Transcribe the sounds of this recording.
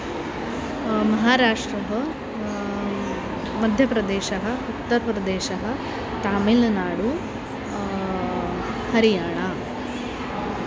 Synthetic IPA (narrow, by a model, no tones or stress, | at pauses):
mɐɦaːɾaːʂʈɾɐɦɐ | mɐd̪ʱjɐpɾɐd̪eːʃɐɦɐ̆ut̪ːɐɾpɾɐd̪eːʃɐɦɐ̆ | t̪aːmilɐnaːɽu | hɐɾijaːɳa